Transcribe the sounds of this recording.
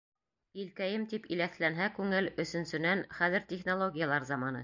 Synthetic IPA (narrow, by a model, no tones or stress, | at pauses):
ilkæjɘmt̪ipilæθlænɦækʉŋɘlɵ̆sɵ̆nsɵ̆nænχæðɘ̆ɾt̪ʲeχnolˠoɡʲijɑlˠɑɾzɑmɑnɤ̰